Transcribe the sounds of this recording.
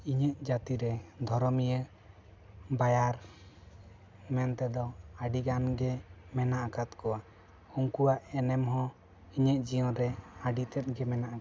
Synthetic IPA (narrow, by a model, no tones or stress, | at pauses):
iɲəʔ̚d͡ʒat̪iɾɛd̪ʱɔɾɔmijə | bajaɾ | mɛnt̪ɛd̪ɔaɖiɡanɡɛmɛnaʔakat̪kɔwa | huŋkuwaʔɛnɛmɦɔ̃ | iɲəʔ̚d͡ʒijɔ̃ɾɛaɖit̪ɛt̪̚ɡɛmɛnaʔaka